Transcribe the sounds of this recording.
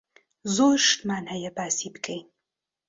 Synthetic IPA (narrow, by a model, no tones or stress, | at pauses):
zoːʃt̪maːnhɐjɐbaːsibkʼejn